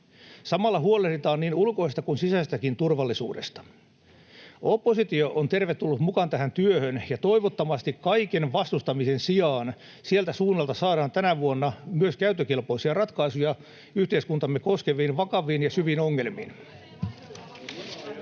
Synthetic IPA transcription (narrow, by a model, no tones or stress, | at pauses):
sɑmɑlːɑɦuolerdit̪ɑːnniːnulko̞ist̪ɑkunsisæst̪ækint̪urʋɑlːisṵːdḛst̪ɑ̥ | opːosit̪ioʔont̪erʋet̪ːulːut̪mukɑnt̪æɦænt̪yøhønjɑt̪o̞iʋot̪ːɑmɑst̪ikkɑikenʋɑst̪ust̪ɑmisensiɑːn | sielt̪æsuːnːɑlt̪ɑsɑːɾɑːnt̪ænæʋuonːɑmyøskæyt̪ːøkilpo̞isiɑrɑt̪kɑisujɑ | yht̪eiskunt̪ɑmːeko̞skeʋiːnʋɑkɑʋˑiːnjɑsyʋinoŋːelmḭːn